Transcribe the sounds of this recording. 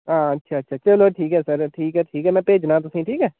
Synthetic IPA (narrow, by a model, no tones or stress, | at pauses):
ãːətːʃʰaːətːʃʰaːt͡ʃəloːʈʰiːkɦɛːsəɾʈʰiːkɦɛːʈʰiːkɦɛːmɛ̃ːpeːd͡ʒnãːt̪̬ʊsĩːʈʰiːkɦɛː